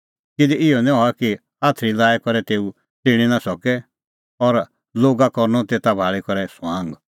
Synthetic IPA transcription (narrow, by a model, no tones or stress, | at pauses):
kɪd̪ɛɪɔnĩɦɔaki | aːt̪ʰɾilaːjkɔɾɛt̪eːu | t̪ɪɽ̃inasɔkɛ | ɔɾ | loːɡakɔɾnɔt̪eːt̪abʱaːɭikɔɾɛsãːŋɡ